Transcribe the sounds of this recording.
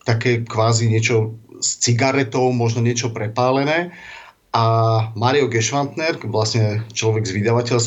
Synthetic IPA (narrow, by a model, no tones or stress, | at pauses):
t̪akɛːkʋaːziɲɪɛt͡ʃɔst͡siɡaɾɛt̪ɔʊmɔʒnɔɲɪɛt͡ʃɔpɾɛpaːlɛnɛː | ʔamaːɾiɔɡɛʃʋant̪nɛɾʋlasɲɛt͡ʃlɔʋɛɡzʋid̪aʋacɛls